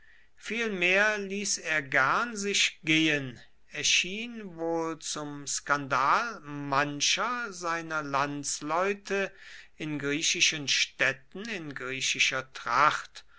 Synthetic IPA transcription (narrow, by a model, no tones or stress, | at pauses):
fiːlmeːɐliːseːɐɡɛɐnzɪʃɡ̥eːən | ɛɐʃiːnvoːlt͡sʊmskandaːlmanʃɐzaɪnɐlant͡slɔʏtʰə | ɪnɡʁiːʃɪʃənʃtɛtn̩ɪnɡʁiːɕɪʃɐtʁ̥aχt